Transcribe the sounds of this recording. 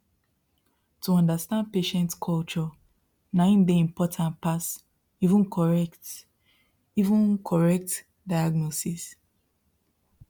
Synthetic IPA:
tʰuɔ̃ndastãnd̚peʃɛ̃ntkʰɔlt͡ʃɔ | nãĩnbeĩmpʰɔtʰãntpas | ivũnkʰɔɹɛkt | ivũnkʰɔɹɛk̚t | dajaɡnɔsis

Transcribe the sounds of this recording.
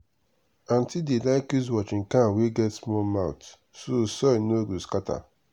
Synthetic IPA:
ãn̩tidelaɪkuz̬wɔt͡ʃɪ̃ŋ̩kãweɡɛtsmɔmaʊt | sosɔnoɡuskatʰa̰

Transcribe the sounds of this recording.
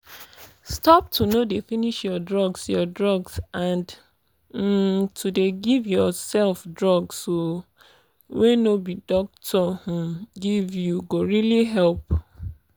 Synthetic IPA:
stɔp̚tʰunodefiniʃjɔdɹɔɡsjɔdɹɔɡsãnd̩ | tʰudeɡivjɔsɛlfdɹɔɡsːo | wenobidɔk̚tʰɔh̩ɡivjuɡoɹiliɦɛlp

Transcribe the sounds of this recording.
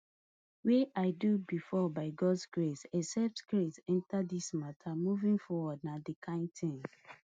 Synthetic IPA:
weʔaɪdubifɔbaɪɡɔdsɡɹesɛsɛp̚tkɹetɛ̃ntadismatʰamuvĩŋfɔwɔd̚nadikʰãɪ̃ntʰĩn

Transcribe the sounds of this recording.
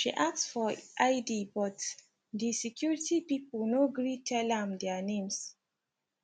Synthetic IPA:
ʃḭʔak̚tsfɔʔaɪdibɔt | disɛkʰjuɹitipipəlnoɡɹitʰɛlɛ̃md̪ɛnẽms

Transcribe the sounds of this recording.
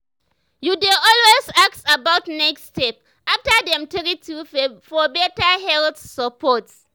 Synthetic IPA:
judeɔlwezak̚tabaʊtnɛkstɛp̚ | aftədɛ̃mtɛɾitʰufɔbɛtahɛlθsəpʰɔts

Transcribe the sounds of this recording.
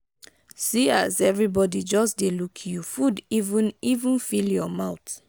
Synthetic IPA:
siazɛvɹibɔdid͡ʒɔsdelukʰjufudivũnivũnfiljɔmaʊt

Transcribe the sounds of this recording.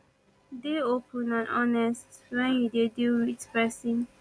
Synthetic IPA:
deopʰə̃nãnʔɔnɛstwɛ̃njudeduwit͡ʃpɛsĩn

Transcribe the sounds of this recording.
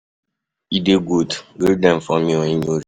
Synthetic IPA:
ideɡudɡiɾdɛ̃nfɔmĩoɲiɲoɾ

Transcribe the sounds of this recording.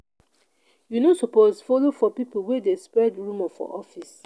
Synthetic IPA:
junosopozfɔlofɔpipolwɛdespɹɛdɹũmɔfɔ̰ʔɔfis

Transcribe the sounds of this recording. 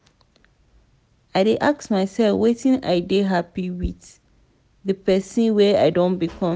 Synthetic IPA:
aɪdeʔak̚smaɪsɛlfwetʰĩna̰ɪdeɦapiwiθ | ðəpʰɛsɨ̃nwɛaɪdõnbikʰɔ̃m

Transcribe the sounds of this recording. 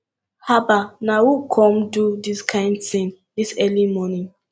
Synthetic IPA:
habanawukʰɔ̃mdudiskʰãɪ̃ndtĩn | disɛlimɔnĩŋ

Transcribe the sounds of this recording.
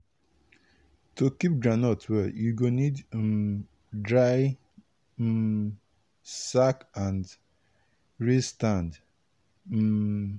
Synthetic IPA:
tokip̚ɡɾanɔtwɛjuɡonid̩ | dɾaɪ | sakãnd | ɹistãnd | m̩

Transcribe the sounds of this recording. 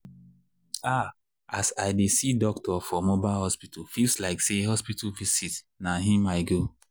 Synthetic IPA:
a | asaɪdesidɔk̚tʰɔfɔmobaɪlɦɔspitʰalfilslaɪkseɦɔspitalvisit | naɦĩmaɪɡo

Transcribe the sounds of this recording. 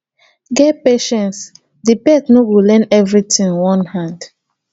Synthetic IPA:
ɡɛpeʃɛ̃ns | dipɛtnowilɛ̃nɛvɹitĩŋwɔ̃nhãnd

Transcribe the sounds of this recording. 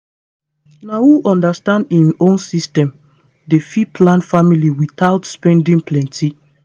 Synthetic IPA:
nawuʔɔ̃ndastãndĩnʔõnsistɛ̃m | defipʰlãnfamiliwiθaʊtspɛ̃ndĩŋpʰlɛ̃ntʰi

